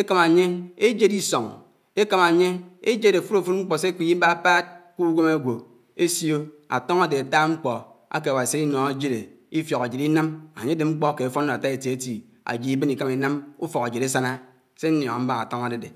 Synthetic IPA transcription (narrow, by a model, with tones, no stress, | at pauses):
e˦ka˨ma˨ɲe˦e˦d͡ʒe˦di˦so˨ŋ | e˦ka˨ma˨ɲe˦e˦d͡ʒe˦ɾe˨fu˦ɾo˨fu˦t̚ŋ͡m̩˦k͡pɔ˨se˦ki˦i˦ba˦pa˦t̚ku˦ɡʷo˦ma˦ɡʷo˨ | e˦sjo˦a̰˨tɔ˦ŋa˦de˨a˨ta˦ŋ͡m̩˦k͡pɔ˨ | a̰˦k̬e˨a˨wa˨si˦i˦no˨a˨d͡ʒe˦ɾe˨ | i˦fjo˨ka˨d͡ʒe˨ɾi˦na˦ma̰˨ɲe˦de˨ŋ͡m̩˦k͡pɔ˦ke˨fo˦n˦o˨a˨ta˦e˨ti˨e˨ti˨ | a̰˨d͡ʒi˨i˦bni˨ka˦mi˨na˦mu˦fɔ˨ka˨d͡ʒe˨ɾe˦sa˦na˦ | se˦n̩˦njɔ˨ŋa˨m̩˦ba˦ŋa̰˨to˦ŋa˨de˨de˨